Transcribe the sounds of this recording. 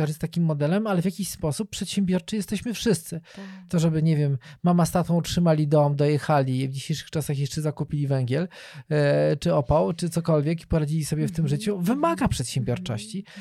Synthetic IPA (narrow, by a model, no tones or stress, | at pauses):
aʐst̪akʲimːɔd̪ɛlɛmalɛvʲjakʲiɕspɔsup̚pːʂɛt̪ɕɛmbʲjɔɾt͡ʂɨjɛst̪ɛɕmɘfʂɘst̪sɘt̪ɔʐɛbɘɲɛvʲjɛmːamast̪at̪ɔ̃utʂɘmalʲid̪ɔmd̪ɔjɛxalʲivd͡ʑiɕejʂɘ̥xt͡ʂasaxjɛʂt͡ʂɛzakupʲilʲivɛŋɡʲɛl | t͡ʂɘɔpawt͡ʂɘt̪sɔkɔlvʲjɛki̥pɔɾad͡ʑilʲisɔbʲjɛft̪ɘmʐɘt͡ɕuvɘmaɡapʂɛt̪ɕɛ̃mbʲjɔɾt͡ʂɔɕt͡ɕi